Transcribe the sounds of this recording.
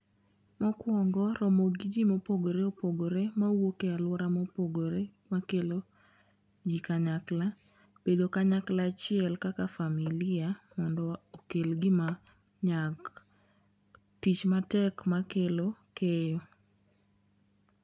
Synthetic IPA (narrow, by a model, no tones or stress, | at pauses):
mɔkwɔŋɡɔɾɔmoɡɪd͡ʒimopoɡoɾeopoɡoɾemawokealwɔɾamopoɡoɾemakelo | d͡ʒikaɲakla | b̥edokaɲaklat͡ʃɪɛlkakafamilɪamɔndɔokelɡɪma | ɲak | tit͡ʃmatɛkmakelokejɔ